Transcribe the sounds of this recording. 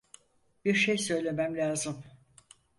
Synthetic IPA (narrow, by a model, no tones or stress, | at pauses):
b̥iɾʃejsø̞jlʲe̞mæmlʲaːzɯm